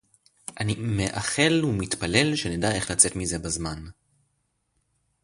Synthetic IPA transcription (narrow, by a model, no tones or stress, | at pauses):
ʔanimeʔaχe̞lumit̪pale̞lʃenedae̞χlat͡se̞t̪mize̞bazman